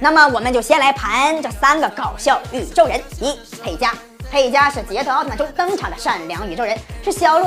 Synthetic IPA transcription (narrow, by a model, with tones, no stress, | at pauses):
na˥˩mə˩wɔ˨˩mə˦nt͡ɕjʊɕjɛ˥nla˧˥ɪpʰa˧˥nʈ͡ʂɤ˥˩sa˥nɡə˨kɑ˨˩ʊɕjɑ˥˩ʊy˨˩ʈ͡ʂo˥˩ʊɻə˧˥ni˧˥pʰe˨˩ɪt͡ɕja˥ | pʰe˧˩ɪt͡ɕja˥ʂɻ̩˥˩t͡ɕjɛ˧˥t̪ʰt̪ʰʈ͡ʂʊ˥ŋt̪ɤ˥ŋʈ͡ʂʰɑ˨˩ŋd̪ə˦ʂa˥˩nljɑ˧˥ŋy˨˩ʈ͡ʂo˥˩ʊɻə˧˥nʂɻy˥˩ɕjɑ˥ʊlu˥˩